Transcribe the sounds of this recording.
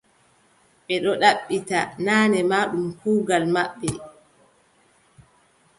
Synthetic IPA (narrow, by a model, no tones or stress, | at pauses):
ɓɛɗɔɗaɓːitanaːnɛmaːɗumhuːɡalmaɓːɛ